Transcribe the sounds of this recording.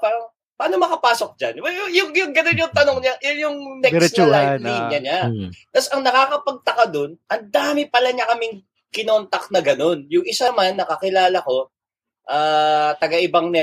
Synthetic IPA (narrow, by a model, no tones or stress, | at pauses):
paːɾɐŋ | pɐʔanomɐkɐpaːso̞k̚d͡ʒa̰nwɛjʊŋjʊŋɡɐnonjʊŋt̪ɐnoŋɲajʊnjʊŋnɛɾlaniɲɐɲat̪ɐsɐŋnɐkaːkɐpɐɡ̚t̪ɐkad̪o̞nʔɐnd̪aːmɪpɐlɐɲɐkɐmɪŋ | kɪnoːnt̪ɐk̚nɐɡɐno̞njʊŋʔɪsamanːɐkɐkɪlaːlɐko̞ | ʔaːt̪ɐɡɐʔɪbaŋnɛ